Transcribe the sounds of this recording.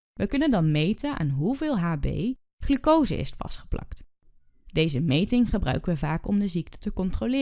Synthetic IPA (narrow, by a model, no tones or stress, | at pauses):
ʋəkɵnəndɑnmejtəa̰ːnɦuvɪːlˠɦaːbḛj | χlykowzə̰ɪ̰stfɑ̰stχə̥plɑ̰kt | d̥ejzəmejtɪŋχəbrœ̰ɥkəʋəvaːkɔmdəzik̚tə̥təkɔntrolɪː